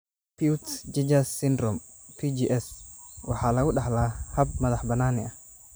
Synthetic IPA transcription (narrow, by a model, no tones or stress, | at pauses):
piutd͡ʒɛd͡ʒasːindɾɔm | pʰid͡ʒiʔɛswaħalawuɗaħlahab̚mɐðaħbanaːniʔa